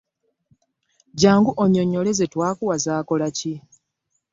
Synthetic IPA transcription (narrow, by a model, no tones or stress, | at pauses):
ɟaːŋɡuʔoɲoɲːo̞le̞zetwaːkuwazaːko̞laci